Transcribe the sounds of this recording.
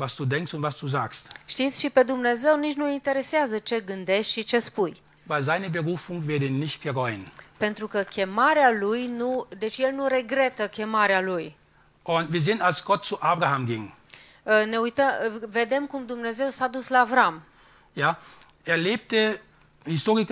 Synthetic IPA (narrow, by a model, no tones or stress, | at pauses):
vasd̥uːdɛŋkstʊntv̥asd̥uːzaːkstʃt̪it̪sʲʃipe̞d̪umne̞ze̞wnit͡ʃnuint̪e̞ɾe̞seazət͡ʃe̞ɡɨnd̪e̞ʃt̪ʲʃit͡ʃe̞spuj | vaɪlzaɪnəbəʁuːfʊŋvɛɐdinɪçt̚ɡ̥əʁɔʏənpe̞nt̪ɾukəkʲe̞maɾealujnud̪e̞t͡ʃje̞lnuɾe̞ɡɾe̞t̪əkʲe̞maɾealuj | ʔʊntviːɐzɪntalsɡ̥ɔt̚t͡suʔaːbʁahamɡɪŋ | əne̞ujt̪əve̞d̪e̞mkumd̪umne̞ze̞wsad̪uslaːvɾam | jaː | ʔeːɐleːp̚tə | hɪstoːʁɪk